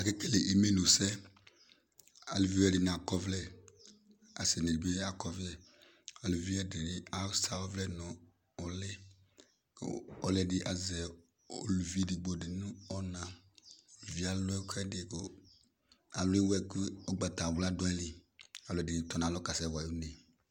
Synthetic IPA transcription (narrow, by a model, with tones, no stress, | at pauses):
a˨ke˦kɛ˦le˨ʔi˨me˦no˨sɛ˦ | a̰˨lu˨vi˦ɛ˦˨dɪ˨n˨a˨kɔ˦vlɛ˦ | a̰˨sɛ˨ne˨di˨be˦a˨kɔ˨vɛ˦ | ɔ˨lu˨vi˦ɛ˦dɪ˨ɾɪ˦a˨˦sa˨ɔ˦vlɛ˦nɔ˨ | ɔ˨lɪ˦ | kɔ˨lɛ˦˨dɪ˨ʔa˨zɛ˨ | o˨lu˨vi˦di˨ɡ͡bo˨dɪ˨nũ˦ɔ˦nã˨ | vi˨a˨lɔ˦ɛ˦kʰɛ˦dɪ˨ko˨ | a˨lɪ˦wɛ˨ki˦ɔ˦ɡ͡ba˨ta˨wla˦dʊ˨˦ɛ˦lɪ˨a˨lʊ˨ɛ˨dɪ˨tɔ˨na˨lɔ˦ka˨sɛ˨wa˨ju˦ne˨